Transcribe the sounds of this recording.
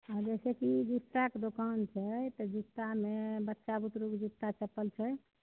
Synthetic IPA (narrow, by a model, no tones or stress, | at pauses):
aɾd͡ʒɛsɛkid͡ʒit̪ːaked̪okant͡ʃʰɛt̪ɔd͡ʒut̪ːamebətːʃabut̪ɾukd͡ʒut̪ːat͡ʃəpəlt͡ʃʰɛ